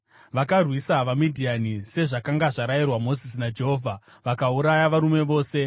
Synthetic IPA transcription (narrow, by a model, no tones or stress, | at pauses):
ʋakarwisaʋamidʱianise̞ʐakaŋɡaʐaɾajirwamo̞zis̬inad͡ʒe̞ɦo̞vʱa | ʋakauɾajaʋaɾume̞ʋo̞ːse̞